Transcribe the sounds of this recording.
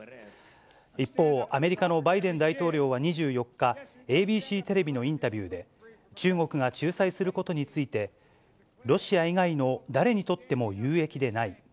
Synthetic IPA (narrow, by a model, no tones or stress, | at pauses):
ipːo̞ːʔame̞ɾʲikano̞baid̪ẽ̞nd̪ait̪o̞ːɾʲo̞ːβ̞aɲ̟iʑɨːjo̞kːa | e̞ːbʲiːɕiːt̪e̞ɾe̞bʲino̞ĩnt̪abʲɨːd̪e̞ | t͡ɕɨːŋo̞kɯ̟ɡat͡ɕɨːsaisɨɾɯ̟ko̞t̪o̞ɲ̟it͡sɨit̪e̞ | ɾo̞ɕiaiɡaino̞d̪aɾe̞ɲ̟it̪o̞t̪ːe̞mo̞jɯːe̞kʲid̪e̞nai